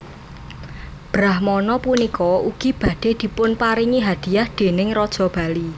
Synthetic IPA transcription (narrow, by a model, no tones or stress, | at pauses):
b̥ɾahmɔnɔpunikɔuɡ̥i̤b̥ä̤d̪̥e̤d̪̥i̤pʊnpaɾiŋiɦad̪̥i̤jahd̪̥e̤nɪŋɾɔd̥ʒ̥ɔ̤b̥a̤li